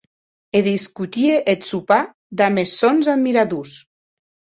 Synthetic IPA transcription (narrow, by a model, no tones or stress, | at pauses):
eðiskut̪ieʔet̪supa | d̪amesonzammːiɾaðus